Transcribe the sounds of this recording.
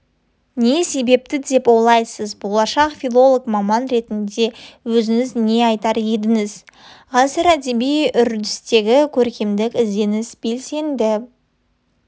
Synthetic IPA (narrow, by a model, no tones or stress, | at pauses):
ne̞se̞be̞p̚t̪ɪd̪e̞polˠɑjsəzbo̞lˠɑʃɑqfʲilˠo̞lˠokmɑmɑnɾe̞t̪ɪnd̪e̞wɵzɪŋɪzne̞ɑjt̪ɑɾje̞d̪ɪŋɪz | ʁɑsəɾæd̪e̞bijʏɾd̪ɪst̪e̞ɡʲɪkʲʰɵɾkʲemd̪ɪkʲɪze̞nɪsb̥e̞lse̞nd̪ɪ